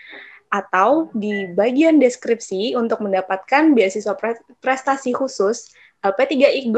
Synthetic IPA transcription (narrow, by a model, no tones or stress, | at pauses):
ʔat̪awdibaɡiandɛskɾip̚siunt̪ʊk̚məndapat̪̚kanbiasiswa | pɾɛst̪asikusʊs | alpat̪iɡaʔiɡ